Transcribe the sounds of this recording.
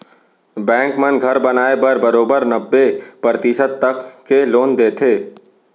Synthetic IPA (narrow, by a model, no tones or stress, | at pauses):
bɛ̃ːŋkmənɡʱɐɾbɐnaːebɐɾbɐɾoːbəɾnɐbːepɾɾət̪iʃəd̪̚t̪ɐkːeloːnd̪eːt̪ʰeː